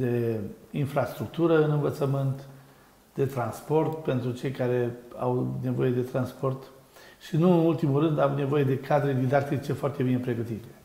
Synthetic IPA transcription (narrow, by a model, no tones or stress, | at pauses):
d̪e̞infɾast̪ɾukt̪uɾəɨnɨnvət̪səmɨnt̪ | d̪̥e̞t̪ɾanspo̞rt̪pe̞nt̪ɾut͡ʃe̞jkaɾe̞a̰wne̞vo̞je̞d̪e̞t̪ɾanspo̞rt̪ | ʃinuɨnult̪imulrɨnd̪avune̞vo̞je̞d̪e̞kʰad̪ɾed̪id̪ak̚t̪it͡ʃe̞foart̪e̞binepɾe̞ɡət̪it̪e̞̥